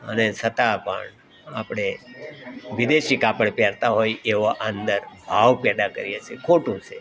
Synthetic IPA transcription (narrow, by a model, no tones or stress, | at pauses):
ə̰nesət̪apə̰ɳ | apɽ̃e | ʋɪd̪eʃikapəɽpjaɾt̪aɦojeʋoʔand̪əɾbʱaʋpjad̪akəɾijet͡ʃʰekʰoʈũt͡ʃʰe